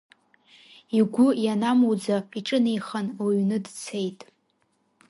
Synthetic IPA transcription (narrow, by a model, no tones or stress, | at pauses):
iɡʷʊjanamowd͡zaiʈ͡ʂʼɨnejχanwiɥnɨdt͡sʰe̞jtʼ